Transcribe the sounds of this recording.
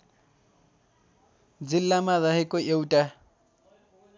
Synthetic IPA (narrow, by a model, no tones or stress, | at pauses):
d͡zilːamaɾʌɦekoʔewʈa